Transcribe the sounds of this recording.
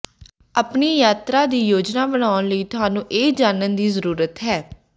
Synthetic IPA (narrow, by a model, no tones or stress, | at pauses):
əpniːjaːt̪ɾaːd̪iːjoːd͡ʒnaːbəñaːʊnləiːt̪ʊɦaːnũːʔeːd͡ʒaːnənd̪iːzəɾuːɾət̪ɦɛː